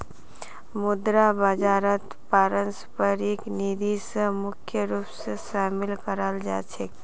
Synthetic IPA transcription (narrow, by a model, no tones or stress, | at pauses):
mud̪ɾabəd͡ʒaːɾət̪ | paɾənspəɾiknid̪ʱisəmʊkʰjəɾupseʃaːmilkəɾəld͡ʒa̰ːt͡ʃʰek